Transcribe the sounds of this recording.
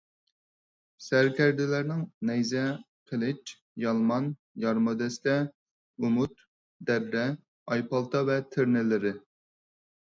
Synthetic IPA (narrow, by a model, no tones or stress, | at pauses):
sæɾkʲɛɾd̪ɪlæɾnɪŋnɛjzɛ | qʰəlˠɪt͡ʃ | jɑlˠmɑn | jɑɾmɨd̪ɛst̪ɛ | umut̪ | d̪ɛbɾɛ | ɑjpɑlˠt̪ʰɑvɛt̪ʰɪɾnɪlɪɾɪ